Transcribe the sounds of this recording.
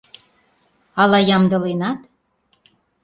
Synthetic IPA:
ɑlɑjɑmd̪ɤ̆lenɑt̪

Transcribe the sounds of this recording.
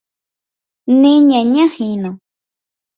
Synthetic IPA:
nẽɲãɲãhinõ

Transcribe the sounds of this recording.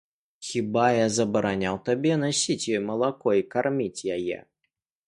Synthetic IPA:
xʲibajazɐbɐɾanʲawt̪abʲɛn̪asʲit͡sʲjɔjmɐlˠakɔikarmʲit͡sʲjajɛ̰

